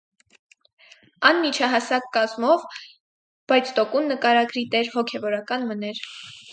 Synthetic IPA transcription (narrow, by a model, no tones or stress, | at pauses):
ɑnːit͡ʃʰɑɦɑsɑkːɑzmɔv | b̥ɑjt͡sʰt̪ɔkunːəkɑɾɑɡɾit̪ɛɾhɔkʰɛvɔɾɑkɑnmənɛɾ